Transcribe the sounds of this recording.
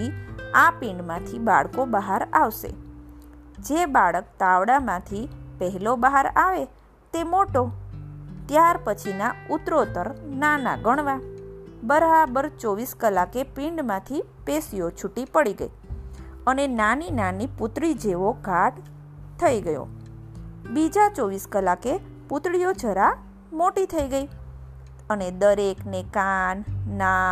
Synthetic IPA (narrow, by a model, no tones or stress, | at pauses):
iapĩɳɖmãt̪ʰiba̰ɭkobəɦaɾaʋʃḛ | d͡ʒebaɭək̚t̪aʋɽamãt̪ʰipəɦɛlobaɦaɾaʋe | t̪emoʈo | t̪jaɾpət͡ʃʰinaut̪ɾot̪əɾnana̰ɡəɳ̃ʋabəɾabəɾt͡ʃɔʋiskəlakepiɳɖmãt̪ʰi | pesijot͡ʃʰuʈːipəɽiɡə̰ḭ | ənenaninaniput̪ɽid͡ʒeʋoɡʱaʈ | t̪ʰːəiɡəjo̰ | bid͡ʒat͡ʃoʋiskəlake | pʊt̪ɽijod͡ʒʱəɾa | moʈit̪ʰəiɡəi | əned̪əɾeknekanːa